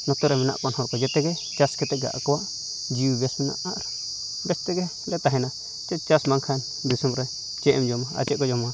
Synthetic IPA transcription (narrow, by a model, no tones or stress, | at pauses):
nõt̪uɾemĩnã̰ʔkʷonõɾkajet̪eke | t͡ʃasket̪eɡa̰ʔka | d͡ʒiβesunã̰ʔãɾ | best̪eke | det̪aɦinã | t͡ʃ̪et͡ʃasmãŋkʰan | bisumɾe | t͡ʃeʔmd͡ʒomãa̰t͡ʃeʔkojomã